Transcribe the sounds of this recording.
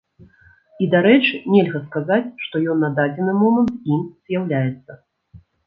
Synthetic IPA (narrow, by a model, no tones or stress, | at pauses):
id̪aɾɛt͡ʂɨnʲɛlʲɣɐskazat͡sʲʂt̪ɔjɔnːad̪ad͡zʲɛnɨmɔmənt̪imz̥ʲjawlʲajɛt̪sːɐ